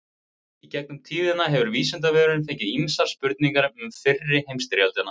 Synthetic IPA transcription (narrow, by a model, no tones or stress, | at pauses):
icɛk̚nʏmt̪ʰiːvðɪnːaɦɛvʏɾviːsɛnt̪̬avɛːɾʏɾʏnθejɲcɪimsaɾ̥spʏɾt̪niŋkaɾɪmʏmfɪrːɪhejmst̪ɾjalt̪ɪnːa